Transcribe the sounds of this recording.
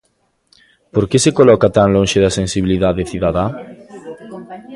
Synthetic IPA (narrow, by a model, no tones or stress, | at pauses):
poɾkesekolɔkat̪aŋlõŋʃeðɐsẽnsiβiliðaðeθiðaða